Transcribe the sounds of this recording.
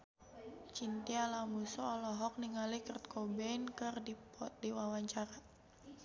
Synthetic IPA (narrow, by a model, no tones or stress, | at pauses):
t͡ʃint̪ialamusɔːlɔɦɔk̚niŋalikərt̪̚kʰɔbɛnkɨrdipɔt̪̚diwawaɲt͡ʃaɾa